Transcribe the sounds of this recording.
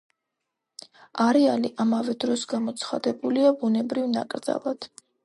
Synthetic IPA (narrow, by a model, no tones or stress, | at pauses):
aɾɛaliʔamavɛd̪ɾɔsɡamɔt̪sʰχad̪ɛbuliabunɛbɾivna̰kʼɾd̪za̰lˠad̪̥